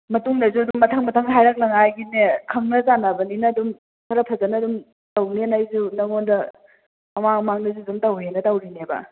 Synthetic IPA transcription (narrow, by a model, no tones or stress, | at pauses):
mɐtuŋnɐzuɐdumːɐtʰaŋmɐtʰɐŋɦajɾak̚lɐŋajɡinekʰɐŋnɐzanːabɐninɐdum | tʰɐɾɐpʰɐzɐnɐdum | tawnenajzunɐŋondɐ | mɐmaŋmaŋnɐzudumtɐwɦenɐtawɾinebɐ̰